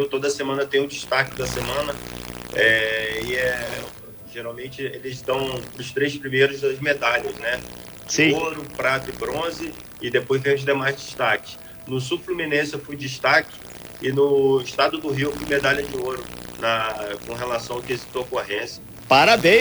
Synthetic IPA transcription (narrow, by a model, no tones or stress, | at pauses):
iwt̪od̪ɐsemɐ̃nɐt̪ẽj̃ũd͡ʒiʃt̪akɪd̪ɐsemɐ̃nɐɛɪɛ | ʒeɾawmẽt͡ʃɪelɪzt̪ɐ̃w̃ʊst̪ɾejspɾimejɾʊzd̪ɐzmed̪aʎɐznɛ | d͡ʒsɪĩoɾʊpɾat̪ɐɪbɾõzɪ | ɪd̪epojzvẽmʊzd̪emajzd͡ʒiʃt̪akɪ̥ | nʊs̬uflumĩnẽsɪefujd͡ʒiʃt̪akɪ̥ | ɪnʊiʃt̪ad̪ʊd̪ʊɦiwfujmed̪alʲɐd͡ʒɪoɾʊnɐkõɦelasɐ̃w̃akezit̪okoɦẽsjɐ | paɾabẽ